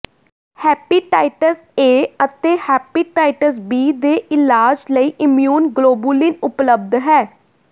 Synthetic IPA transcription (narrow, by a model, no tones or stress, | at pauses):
hɛːpiːʈaːɪʈəs | eːət̪eːhɛːpiːʈaːɪʈəs̬biːd̪eːʔɪlaːd͡ʒləiːʔɪmjuːnɡloːbulɪnʊpləb̚d̪ɦɛː